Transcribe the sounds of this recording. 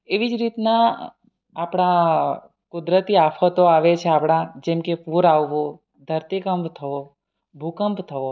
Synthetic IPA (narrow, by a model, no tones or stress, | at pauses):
eʋid͡ʒɾit̪naː | pɽ̃a | kʊd̪ɾət̪iafʰət̪oaʋet͡ʃʰeapɽ̃ãd͡ʒɛmkepuɾaʋːõ | d̪ʱəɾt̪ikəmpt̪ʰəo | bʱukəmpt̪ʰəʋo